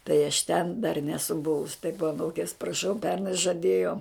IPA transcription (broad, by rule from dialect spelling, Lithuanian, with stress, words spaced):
tɐɪ ɐʃ tʲɛn dɐr ˈnʲæːsʊ ˈbʊʋʊs tɐɪp ɐˈnuːkʲeːs prɐˈʃɐʊ ˈpʲɛrnɐɪ ʒɐˈdʲeːjoː